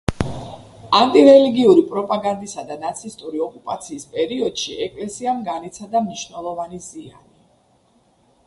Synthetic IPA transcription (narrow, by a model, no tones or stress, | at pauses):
ant̪ʼiɾɛliɡiuɾipʼɾɔpʼaɡand̪isad̪anat̪sʰist̪ʼuɾiɔkʼupʼat̪sʰiːspʼɛɾiɔd̪̥ʃiʔɛkʼlɛsiamɡanit̪sʰad̪amniʃvnɛlˠɔvanizia̰ni